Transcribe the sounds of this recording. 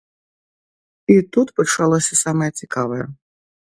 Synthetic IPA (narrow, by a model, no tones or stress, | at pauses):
it̪ut̪pɐt͡ʂalˠɔsʲɐsamɐjɐt͡sʲikavɐjɐ